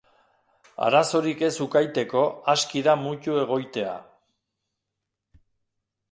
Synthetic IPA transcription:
a̰ɾaso̞ɾike̞sukajt̪e̞ko̞askiðamucue̞ɣ̞o̞jt̪e̞a̰

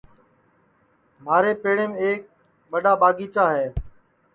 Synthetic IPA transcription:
m̤aːɾeːpeːɽeːmeːk̚ | ɓəɗaːɓaːɡiːt͡ʃaːɦɛː

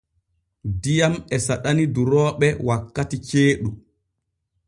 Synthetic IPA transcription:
dijamɛsaɗaniduɾɔːɓɛwakːatit͡ʃeːɗu

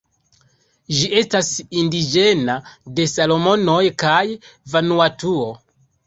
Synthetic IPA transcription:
ʒiʔe̞stasindid͡ʒe̞nade̞salo̞mo̞no̞jkajvanuatuo

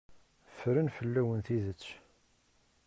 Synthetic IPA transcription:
fɾənfəlːæwənθiðət͡sː

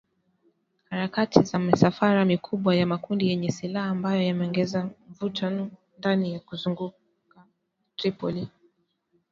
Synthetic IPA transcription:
haɾakatʰizamisafaɾamikʰuɓwajamakundijɛɲɛsilahaːmbajɔjamɛɔŋɡɛzam̩vutʰanɔ | ndanijakuzuŋɡu | ka | tɾipɔli

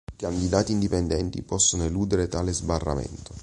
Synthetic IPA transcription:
ikand̪id̪aːt̪iːnd̪ipɛnd̪ɛnt̪ḭpɔsːonoeluːd̪eɾet̪aːlezbarːa̰mɛ̰nt̪o

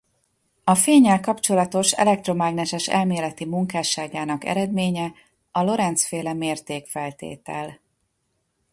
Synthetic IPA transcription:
ɒfeːɲːɛlkɒpt͡ʃo̞lɒt̪o̞ʃɛ̰lɛk̚t̪ro̞maɡnɛʃɛʃɛ̰lmeːlɛt̪imuŋkaːʃaːɡaːnɒkɛ̰ɾɛd̪meːɲɛ | ɒlo̞ɾɛnt̪sfeːlɛmeːrt̪eːkfɛlt̪ḛːt̪ɛl

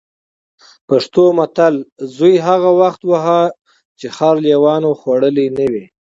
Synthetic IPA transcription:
paʂt̪omat̪alzujɦaɣawaxt̪waɦa | t͡ʃexɑɾljewɑnoxwaɽəlinəwi

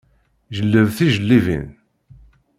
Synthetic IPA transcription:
ʒəlːəvθiʒəlːivḭn

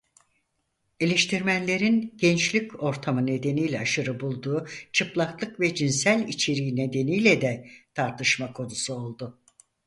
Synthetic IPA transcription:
e̞lʲeʃt̪ʰiɾmænlʲe̞ɾinɟ̥ɛnt͡ʃlʲico̞ɾt̪ʰamɯne̞d̪e̞nijlʲɛaʃɯɾɯbulˠd̪uːt͡ʃʰɯplˠaklˠɯkvɛd͡ʒinsælʲit͡ʃʰe̞ɾiine̞d̪e̞nijlʲɛd̪ɛt̪ʰaɾt̪ʰɯʃmakʰo̞d̪usuo̞lˠd̪ʊ

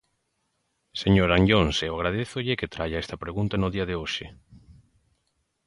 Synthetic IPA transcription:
seɲoɾaɲʎonseoaɣɾað̞eθʊʎɪket̪ɾaʎaɛst̪ɐpɾeɣunt̪anʊðiɐðeoʃe

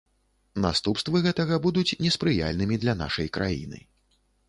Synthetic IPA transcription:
nast̪upst̪vɨɣɛt̪ɐɣɐbud̪ut͡sʲnʲɛspɾɨja̰lʲnɨmʲid̪lʲɐna̰ʂɐjkɾajḭnɨ̰

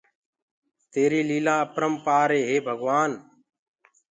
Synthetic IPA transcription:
t̪eːɾiːliːlaːəpɾəmpaːɾeːɦeːbʱəɡʋaːn

